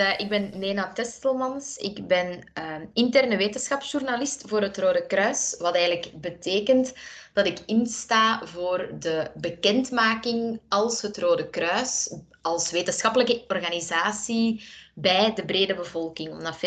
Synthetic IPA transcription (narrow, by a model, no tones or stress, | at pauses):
ʔɪɡ̚bɛnːeːnatɛstəlˠmɑnsɪ̰kbɛnɪntɛrnəʋeːtənsxɑpsʒ̥urnalɪstvoːɾɦətroːdəkrœːsʋɑtɛːɣənləkbəteːkəntd̥ɑtɪkɪnstaːvoːrdəbəkɛntmaːkɪŋɑlˠsɦətroːdəkrœːs | ɑlˠsʋeːtənsxɑpələkəɔrɣanizaːsibɛjdəbreːdəbəvɔlˠkɪŋɔdɑf